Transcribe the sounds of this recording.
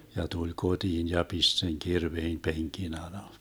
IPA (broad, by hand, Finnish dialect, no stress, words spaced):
jɑ tulʲ kod̥iːn jɑ pist seŋ kirʋeim peŋkin ɑlɑ